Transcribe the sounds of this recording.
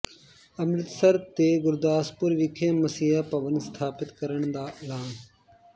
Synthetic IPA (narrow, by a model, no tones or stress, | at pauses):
əmɾɪt̪səɾt̪eːɡʊɾd̪aːspʊɾʋɪkʰẽːməsiːapəʋənst̪ʰaːpɪt̪kəɾəɳ̃d̪aːʔɪlaːn